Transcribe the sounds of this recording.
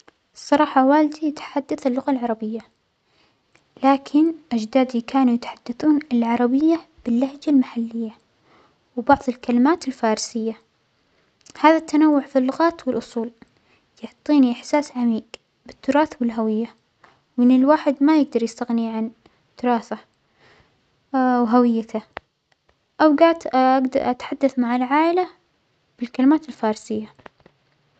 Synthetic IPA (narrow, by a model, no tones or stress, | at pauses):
sˤːɑɾˤɑːħɑwaːld̪ijt̪ḁħad̪ːaθɪlːʊɣalʕɑɾˤɑbɪjːa | laːkʰɪnʔad͡ʒd̪aːd̪ikʰaːnujɪt̪ḁħad̪̥ːaθuːnɪlʕɑɾˤɑbɪjːa | b̥ɪlːahd͡ʒalmaħalːɪjːa | wbɑʕðˤɪlkalɪmaːt̪ɪlfɑːɾˤsɪjːa | haːðat̪ːanawːʊʕfilːʊɣaːt̪wɪlʔʊsˤuːl | jʊʕt̪ˤːiːniʔɪħsaːsʕamiːɡ | bɪt̪ːʊɾˤɑːθwɪlɦawɪjːa | wɪnːɪlwaːħɪd̪majɪɡ̚d̪ɑɾˤjɪst̪aɣniʕan | d̪̥ɨɾˤɑːθa | wɦawɪjːat̪ʰa | ʔawɡaʕd̪ʔaɡd̪ɾʔat̪ħad̪ːaθmaʕalʕaːʔɪla | b̥ɪlkalɪmaːt̪ɪlfɑːɾˤsɪjːa